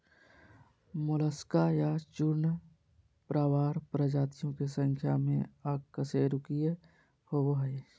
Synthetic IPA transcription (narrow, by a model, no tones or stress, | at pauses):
mʊləskajat͡ʃʊɾn | pɾaːwaːɾpɾəd͡ʒaːt̪ijõkesə̃ŋkʰja̰mḛ̃akkːəseːɾʊkie | howoɦəe